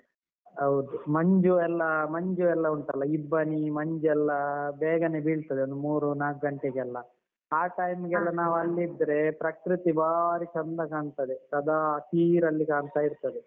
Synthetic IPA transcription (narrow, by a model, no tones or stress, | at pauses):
ɦɐwd̪umɐɲd͡ʒuɛlːɐmɐɲd͡ʒuɛlːɐuɳʈɐlːɐibːɐnimɐɲd͡ʒuɛlːɐbɛːɡɐneːbiːɭt̪ɐd̪eond̪umuːɾunaːk̚ɡɐɳʈeɡɛlːɐ | aːʈɐjmɡɛlːɐnaːʋɐlːid̪ːɐɾe̞pɾɐkɾut̪ibaːɾit͡ʃɐnd̪ɐkaːɳt̪ɐd̪et̪ɐd̪aːtiːɾɐlːikaːɳt̪aːiɾt̪ɐd̪e